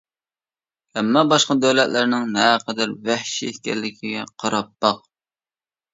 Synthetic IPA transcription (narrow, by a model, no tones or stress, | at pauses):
hɛmːɑbɑʃqɑd̪øwlɛt̪lɪɾnɪŋnɛqʰəd̪æɾvæhʃiehkʲɛlːɪkʲʰiɡʲɛqʰɑɾɑpːɑq̚